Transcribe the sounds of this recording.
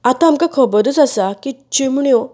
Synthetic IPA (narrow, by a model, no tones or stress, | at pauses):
at̪aamkakʰɔbəd̪ət͡sasakit͡ɕimɳjɔ